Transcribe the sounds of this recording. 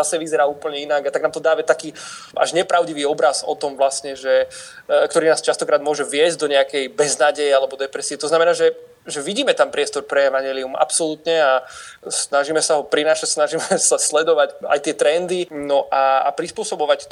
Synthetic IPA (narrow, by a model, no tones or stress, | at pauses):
asɛʋizɛɾaːuːpl̩ɲɛinaɡat̪aɡnaːmt̪ɔd̪aːʋat̪akiː | a̰ʒɲɛpɾaʊɟiʋiːɔbɾazɔ̰t̪ɔmʋlastɲɛʒɛ | kt̪ɔɾiːnaːst͡ʃast̪ɔkɾaːd̪mʊɔʒɛʋɪɛzɟ̚d̪ɔɲɛakɛjbɛznaːɟɛjɛalɛbɔd̪ɛpɾɛsiɛt̪ɔznamɛnaːʒɛ | ʒɛʋiɟiːmɛt̪ampɾɪɛst̪ɔɾpɾɛɛʋaɲɪɛliuma̰psɔlut̪ɲɛasnaʒiːmɛsaɦɔpɾinaːʃacsnaʒiːmɛsaslɛd̪ɔʋaca̰jt̪ɪɛt̪ɾɛnd̪inɔʔa̰ːpɾispʊɔsɔbɔʋac